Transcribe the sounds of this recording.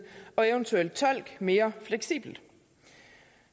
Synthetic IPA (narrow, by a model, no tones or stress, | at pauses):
ɒ̽eʊənt͡sʰuel̰d̥̚t͡sʰɒ̽l̰ɡ̥me̝ːɐfleɡ̥sḭːb̥l̩d̥